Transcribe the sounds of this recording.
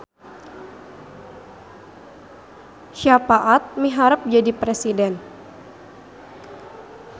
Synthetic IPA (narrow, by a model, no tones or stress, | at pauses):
ʃapaʔat̪̚miɦaɾəp̚d͡ʒadipɾesidɛn